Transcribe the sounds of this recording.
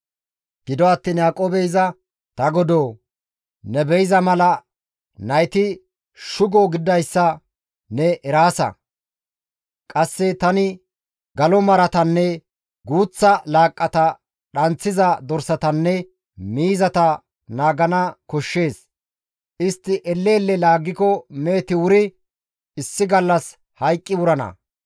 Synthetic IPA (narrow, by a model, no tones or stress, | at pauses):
ɡ̥ɪd̪ɔɐt̪ːiːnjaːkʼoːbɛjzɐ | t̪ɐɡɔd̪oː | nɛbɛjɪzɐmɐlɐ | nɐjt̪ɪ | ʃʊɡɔɡɪd̪ɐjsːɐ | nɛʔɛɾaːsɐ̰ | kʼɐsːɛt̪ɐnɪ | ɡɐlɔmɐɾɐt̪ɐnːɛ | ɡuːt͡sːɐlaːkʼːɐt̪ɐ | ɗɐnt͡sːɪzɐd̪ɔɾsɐt̪ɐnːɛ | miːzɐt̪ɐ | naːɡɐnɐkɔʃːe̞ːs | ʔɪst̪ːɪʔɛlːeːlːɛlaːɡːɪkɔme̞ːt̪ɪwʊɾɪ | ɪsːɪɡɐlːɐs | hɐjkʼːɪwʊɾɐnɐ̰